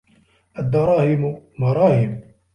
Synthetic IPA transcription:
ʔad̪ːɑɾˤɑːhɪmmɑɾˤɑːhɪm

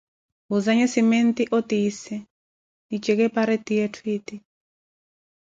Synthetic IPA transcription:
ɦuzaɲɔsimɛnt̪iʔɔt̪isɛ | it͡ʃɛkɛpaɾɛt̪ijɛtʰwiːt̪i

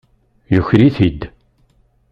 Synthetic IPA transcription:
jʊçɾiθid̪

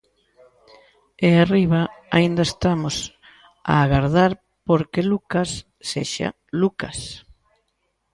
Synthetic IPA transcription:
eariβaaind̪ɐest̪amos | a̰ːɣaɾðaɾ | poɾkelukasː | eʃa̰ | luka̰s

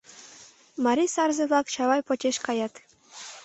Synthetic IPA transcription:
mɑɾʲisɑrzeβlɑkt͡ɕɑβɑjpot͡ɕʲeʃkɑjɑt̪

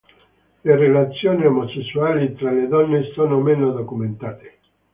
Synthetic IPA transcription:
lerelat̪sːjoːniomosesːuaːlit̪ɾaled̪ɔnːesoːnomenod̪okument̪aːt̪e

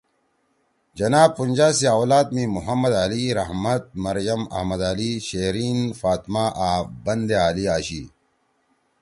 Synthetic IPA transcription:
d͡ʑɐnaːb̚punʲd͡ʑaːsiaːwlaːt̪̚mĩːmuɦɐmːɐd̪aːliɾɐɦmɐt̪̚mɐɾjɐmɐ̰hmɐd̪aːliɕeːɾiːnfaːt̪maːʔaːbɐnd̪eaːliaːɕiː

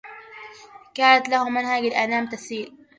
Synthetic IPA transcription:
kaːnat̪lahʊmanhaɡalʔanaːmt̪asiːl

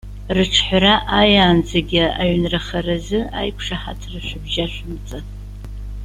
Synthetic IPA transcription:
rɨʈ͡ʂʰħʷraʔajaːnd͡zeɡʲɪaɥnrɨχɐrɐzɨa̰jkʷʰʂaħa̰tʰrɨʃʷʊbʒaʃʷʊmt͡sʼɨ

